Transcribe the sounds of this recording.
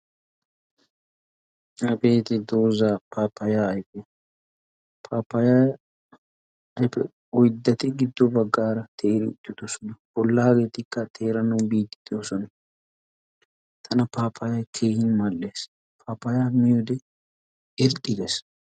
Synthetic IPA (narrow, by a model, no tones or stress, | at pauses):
ɐbe̞ːt̪ɪd̪oːzapaːpːɐjaːɐjpɛ | pʰaːpːɐja | ɐjpɛ̰ | ɔjd̪ːɐt̪ɪɡɪd̪ːɔbɐɡːaːɾɐt̪ʰeːɾɪʊ̰t̪ʼːɪd̪osɔnɐbɔlːɐɐɡe̞ːt̪ɪkːɐt̪ʰe̞ːɾɐnɐwbiːt̪ːɪ̥d̪osɔnɐ | t̪ʰɐnɐpaːpʰːɐjɐjkʰeːhɪnmɐlːeːs | pʰaːpːɐjaːmɪjod̪ɛ | ɪɾt̪ʼːɪd̪es